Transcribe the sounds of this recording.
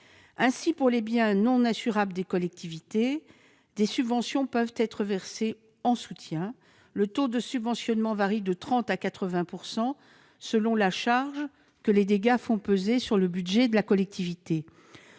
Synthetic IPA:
ɛ̃sipuʁlebjɛ̃nɔ̃nasyʁabld̪ekɔlɛk̚t̪ʰivit̪e | d̪esybvɑ̃sjɔ̃pœvt̪ɛt̪χəvɛʁse | ɑ̃sut̪jɛ̃ | lət̪od̪əsybvɑ̃sjɔnmɑ̃vaʁid̪ət̪χɑ̃t̪akat̪χəvɛ̃puʁsɑ̃ | səlɔ̃laʃaʁʒ | kəled̪eɡafɔ̃pøzesyʁləbyd̪ʒɛd̪əlakɔlɛk̚t̪ivit̪e

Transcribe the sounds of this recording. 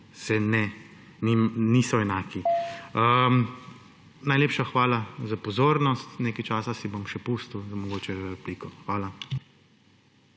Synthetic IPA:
sɛnɛ | ninisɔɛnaːkiəm | najleːpʃaxʋaːlazapɔzoːɾnɔst̪neːkajt͡ʃaːsasibomʃɛpust̪uwzamɔɡoːt͡ʃɛɾɛpliːkɔxʋaːla

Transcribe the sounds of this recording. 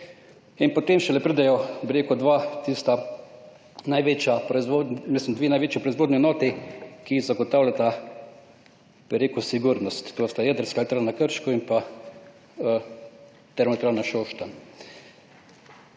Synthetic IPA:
inpɔt̪emʃɛlɛpɾiːd̪ajɔbɪɾeːkʊd̪ʋat̪ist̪a | najʋeːt͡ʃjapɾɔizʋoːd̪nmislimd̪ʋeːnajʋeːt͡ʃjipɾɔizʋoːd̪niɛnɔːt̪ikizaɡɔt̪aːwlʲjat̪a | b̥ɪɾeːkusiɡuɾnɔst̪ːoːst̪ajɛd̪əɾskalt̪ɾanakəɾʃkɔinpa | ə | t̪ɛɾmɔt̪ɾaːnaʃoːʃt̪an

